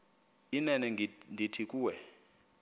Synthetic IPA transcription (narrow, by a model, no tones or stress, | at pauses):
inɛnɛndʱitʰik̬ʼuːwɛ